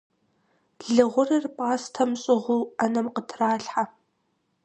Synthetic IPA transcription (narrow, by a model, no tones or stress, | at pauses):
ɮɨʁʷʊrɨrpʼaːstʰɐmɕʼɪʁʷʊɐnɐmqətʰraːɬħa